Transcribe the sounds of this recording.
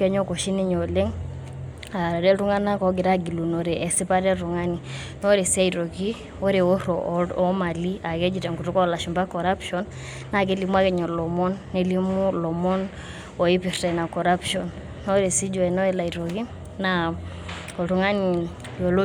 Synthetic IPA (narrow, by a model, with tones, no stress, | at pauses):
kɛ˦ɲɔ˦ko˨ʃi˦ni˦ɲo˨le˦ŋ | a˨ɾa˨ɾɛ˦tu˦ŋa˦na˦kɔ˨ɡi˨ɾa˦ɡi˨lu˨nɔ˨ɾe˨ʔɛ˨si˦pa˦ɾɛ˦tu˨ŋa˦ni˨ | nɔ˦ɾe˨sa˦i˨ɾo˨ki˦ | ɔ˦ɾe˨o˦ɾɔʔɔ˦ma˨li˦a˨kɛ˦d͡ʒi˨tɛ˨ŋku˨tu˦kɔ˦la˨ʃu˨mba˦kɔ˨ɾa˦pʃɔnː | a˨k̬e˦li˨mu˦a˦kɛ˨ɲɔ˨lɔ˨mɔ˦nːe˦li˦mu˦lɔ˨mɔ˦n | ɔ˨i˦pi˨rtɛ˨na˨kɔ˨ɾa˦pʃɔ˨nː | ɔ˦ɾe˨si˦d͡ʒɔ˨ɛ˨nɔ˦ɛ˦la˨i˨ɾo˨ki˦ | na | kɔ˨tu˨ŋa˦ni˨ | jɔ˨lo˦